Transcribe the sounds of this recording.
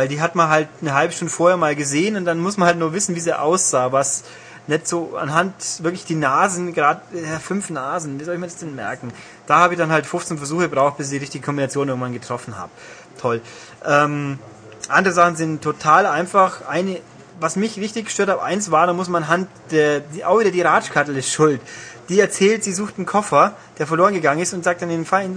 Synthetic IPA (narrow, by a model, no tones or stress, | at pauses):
vaɪldiːɦatmanɦaltnəɦalbəʃtʊndəfoːɐheːɐmaːlɡəzeːənʊntd̥anmʊsmanhaltnuːɐvɪsn̩viːzeːʔa̰ʊsz̥aːvas | nɛtz̥oːa̰nɦantv̥ɪɐklɪçd̥iːnaːzn̩ɡʁaːddɐfʏnfnaːzn̩viːzɔltɪçmiːɐdḁsd̥ɛnmɛ̰ɐkŋ̩ | d̥aːhaːbɪçd̥anhaltfʊft͡senfɛɐzuːxəɡbʁaʊxt̚b̥ɪs̬ɪçɪiːʁɪçtɪ̥ɡəkʰɔmbinat͡sjoːnɪɐɡŋ̩vanɡətʁ̥ɔfn̩ha̰ːbə | tʰɔl | ʔɛːm | ʔandəʁəzaχn̩zɪntʰːotʰaːlʔaɪnfaχʔaɪnə | vasmɪçʁɪçtɪçɡ̥ə̥ʃtøːɐthʰaːbʔa̰ɪnsv̥aːɐɾaːmʊsmananɦant | d̥eːɐdiːʔa̰ʊxv̥iːdɐdiːʁaːt͡ʃkʰaɐtl̩ɪsʃʊltd̥iːɛɐt͡sɛːltz̥iːzuːxtn̩kʰɔfɐ | d̥eːɐfɛɐloːʁənɡəɡaŋənɪstʊntzaːk̚td̥aneːfaln